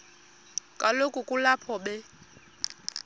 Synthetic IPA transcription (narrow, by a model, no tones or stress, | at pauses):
kʼalokʼukʼulapʰɔɓɛ